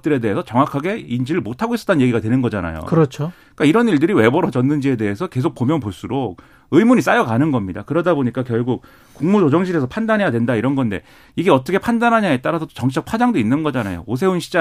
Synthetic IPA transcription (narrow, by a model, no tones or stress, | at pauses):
t͈ɯɾe̞de̞ɦesʰʌt͡ɕʌŋwakʰaɡe̞ind͡ʑiɾɯɭmotʰaɡois͈ʌ̥t͈ʰannɲje̞ɡiɡadwenɯnɡʌd͡ʑana̰jo̰kɯɾʌt͡ɕʰo | k͈aiɾʌniɭdɯɾiwe̞bʌɾʌd͡ʑʌnːɯnd͡ʑie̞de̞ɦesʰʌke̞sʰok̚p͈omjʌnpoɭs͈uɾok̚ | ɯmuɲis͈ajʌkanɯnɡʌmɲida̰kɯɾʌdaboɲik͈akjʌɭɡuk̚ | kuŋmud͡ʑod͡ʑʌŋɕʰiɾe̞s̬ʰʌpʰandanɦejadwendaiɾʌnɡʌnde̞̰ | iɡe̞ʌt͈ʌkʰe̞pʰandanɦaɲaet͈aɾasʰʌt͈o̥t͡ɕʌŋt͡ɕ͈ʌk̚pʰad͡ʑaŋdoinːɯnɡʌd͡ʑanajo̰os̬ʰe̞unɕʰid͡ʑa